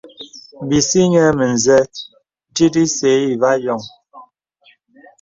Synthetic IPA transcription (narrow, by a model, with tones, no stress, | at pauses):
m˨bi˨si˦ɲɛ˦mə˨n˨zɛ˦ | di˦di˦se˨˦i˨va˦jɔ˨ŋ